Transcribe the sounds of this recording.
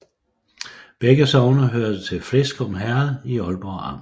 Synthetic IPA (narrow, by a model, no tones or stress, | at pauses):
b̥eɡ̥əsɒʊnɐɦøɐ̰d̥ət͡sʰe̝lflesɡ̥ɒ̽mɦæɐð̩ˠiɒ̽lb̥ɒɑ̰̈m̰